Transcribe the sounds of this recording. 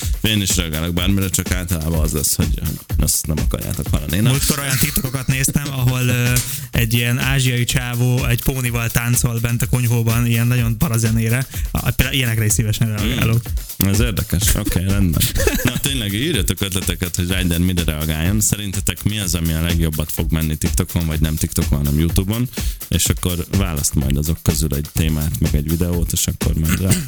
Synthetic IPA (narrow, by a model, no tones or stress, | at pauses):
eːniʃɾɛɒɡaːloɡ̚baːrmiɾɛt͡ʃɒkaːlt̪ɒlaːbɒɒzlɛ̰sho̰ɟho̰ɟnɛ̰st̪nɛmɒkɒ̰ɾja̰ːt̪okhɒ̰lɒ̰neːnmult̪ko̞ɾo̞jɒnt̪it̪oko̞kɒt̪neːst̪ɛmɒɦo̞løː | ɛɟːijɛnaːʒijɒit͡ʃaːvoːɛɟpoːnivɒlt̪aːnt̪so̞lbɛnt̪ɒko̞ɲɦoːbɒnijɛnːɒɟo̞npɒɾɒzɛneːɾɛ̰peld̪aijɛnɛkɾɛisivɛʃɛnrɛɒɡa̰ːloːk | ɛzeːrd̪ɛkɛʃokeːɾɛnbɛ̰nnɒt̪eːɲlɛɡiːrjɒt̪okøt̪lɛt̪ɛkɛt̪ho̞ɟraːjd̪ɛnmiɾɛɾɛɒɡaːjːonsɛɾint̪ɛt̪ɛkmiɒzɒmiɒlɛɡjo̞bːɒt̪fo̞ɡmɛnːit̪ikt̪o̞kʰo̞nvɒɟnɛmt̪ikt̪okonɦɒnɛmjut̪uːbonḛːʃɒkːo̞rvaːlɒst̪mɒ̰jd̪ɒzo̞kːøzylɛɟt̪eːmaːt̪mɛɡɛɟvid̪ɛoːt̪eːʃɒkːo̰ɾmɛd̪rɛ